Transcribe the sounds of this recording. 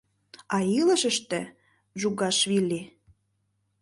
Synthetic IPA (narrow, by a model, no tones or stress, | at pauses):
ɑilə̆ʃə̆ʃt̪ĕ | ʒuɣɑʃβilʲːi